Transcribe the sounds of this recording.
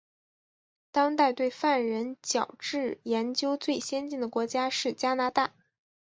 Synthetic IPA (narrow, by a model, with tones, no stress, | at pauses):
t̪ɑ˥ŋt̪a˥˧ɪt̪we˥˧ɪfa˥˩nɻə˧˥nt͡ɕjɑ˨˩ʊʈ͡ʂɻ̩˥˩jɛ˧˥nt͡ɕjo˥ʊt͡swe˥˩ɪɕjɛ˥nt͡ɕi˥˩ŋd̪ə˩kwɔ˧˥t͡ɕja˥ʂɻ̩˥˩t͡ɕja˥na˧˥t̪a˥˩